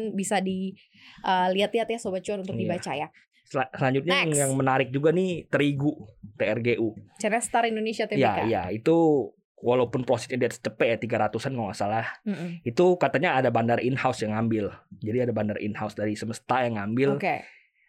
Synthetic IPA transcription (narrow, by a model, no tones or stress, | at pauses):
nbisadi | ʔəliat̪liat̪jasobat͡ʃuanunt̪ʊkd̪ibat͡ʃaja | asəlaɲd͡ʒʊt̪̚ɲaŋjaŋmənaɾɪk̚d͡ʒuɡanit̪əɾiɡut̪eɛrɡeʔut͡ʃaɾast̪aɾindonesiat̪ajaiaija̰it̪u | walawpʊnpɾosɛ̥sɲadiat̪sə̥t͡ʃəpɛjat̪iɡaɾat̪usankamasalahm̩it̪ukat̪aɲaːdabandarinhawsjaŋambɪld͡ʒadiadabandarḭnhawsdaɾisəməst̪ajaŋambɪloke